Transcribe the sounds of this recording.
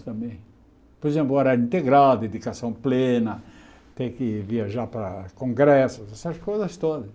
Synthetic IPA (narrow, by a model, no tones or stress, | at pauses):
t̪ɐ̃mbẽj̃ | poɾezẽmplɔɾɐĩnt̪eɡɾald̪ed̪ikasɐ̃w̃plẽnɐ | t̪ẽj̃kɪviaʒaɾpɾɐ̰kõŋɡɾɛsʊzɛsɐskojzɐst̪od̪ɐs